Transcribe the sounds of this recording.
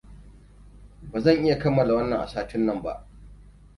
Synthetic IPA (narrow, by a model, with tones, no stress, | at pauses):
baː˨zɐ˦˨ŋʔɪ˦ja˨kɐ˦mːɐ˨la˨wɐ˦nːɐ˨ŋʔa̰˨saː˦tɪ˦nːɐ˦˨mba̰˦ʔ